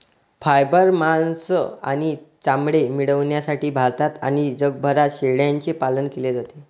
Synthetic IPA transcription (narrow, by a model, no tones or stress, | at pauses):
fajbəɾmansəa̰ɽ̃it͡samɽemiɽəʋɳjasaʈiːbʱaɾt̪at̪aɽ̃id͡zəɡ̚bʱəɾaɕeɭjaɲt͡sepalənkeled͡zat̪e